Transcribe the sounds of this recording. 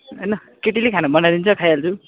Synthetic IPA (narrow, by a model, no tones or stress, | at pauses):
ɦʌjnʌ | keʈilekʰanabʌnad̪int͡sʰʌkʰajald͡zʰu